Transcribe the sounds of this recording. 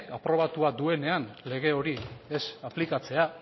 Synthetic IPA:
apɾo̞βat̪uad̪ue̞ne̞anle̞ɣ̞e̞o̞ɾie̞saplikat͡se̞a

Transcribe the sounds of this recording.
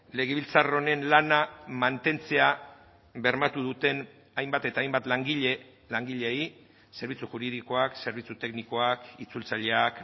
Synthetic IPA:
le̞ɣ̞e̞β̞ilt͡saro̞ne̞nlanamant̪e̞nt͡se̞a | βe̞ɾmat̪uð̞ut̪e̞n | ajmbat̪e̞t̪aːjmbat̪laŋɡiʎe | laŋɡiʎei | se̞ɾβ̞it͡suxuɾið̞iko̞akse̞ɾβit͡sut̪e̞kniko̞akit͡sult͡saʎe̞ak

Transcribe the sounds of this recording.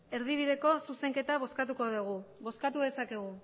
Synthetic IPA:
e̞ɾðiβ̞iðe̞ko̞suse̞ŋke̞t̪aβ̞o̞skat̪̬uko̞ðuɣ̞uβo̞skat̪uðe̞sake̞ɣ̞u

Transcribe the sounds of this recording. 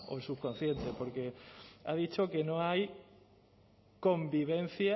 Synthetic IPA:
osukon̟θjẽnt̪epoɾkea̰ðit͡ʃokenõŋaj | kõmbiβẽn̟θja

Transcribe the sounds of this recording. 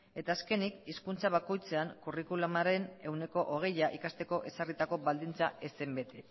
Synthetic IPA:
e̞t̪aːske̞nikiskunt͡saβ̞ako̞jt͡se̞aŋkurikulumaɾe̞ne̞wne̞ko̞ʔoɣ̞e̞jaʔikast̪e̞ko̞ʔe̞sarit̪ako̞βald̪int͡saʔe̞sembe̞t̪e

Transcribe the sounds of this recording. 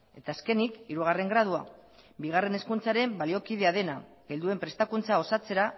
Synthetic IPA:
e̞t̪aːske̞nikiɾuɣ̞are̞ŋɡɾað̞ua | biɣ̞are̞ne̞skunt͡saɾe̞mbalio̞kið̞e̞að̞e̞naɡe̞ld̪ue̞mpɾe̞st̪akunt͡sao̞sat͡se̞ɾa

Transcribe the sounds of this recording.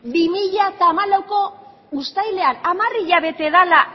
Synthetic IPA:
bimiʎat̪aːmalawko̞ | ust̪ajle̞anamariʎaβ̞e̞t̪e̞ðala

